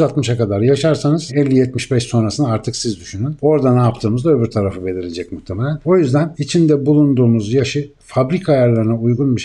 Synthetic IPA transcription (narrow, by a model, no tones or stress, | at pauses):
yzalˠt̪mɯʃakad̪aɾjaʃaɾsanɯzɛlʲːijɛt̪̚miʃbɛʃso̞nɾasɯnaaɾt̪ʰɯksizd̪yʃynyno̞ɾd̪anaːpt̪ʰɯːmɯzd̪aøbyɾt̪ʰaɾafɯbe̞lʲiɾed͡ʒɛcmuxt̪ʰːe̞me̞lʲæno̞jyzd̪ænit͡ʃʰind̪ɛbulˠund̪uːmuzjaʃɯ | fabɾikʰajaɾlˠaɾɯnaujɡunmɯʃ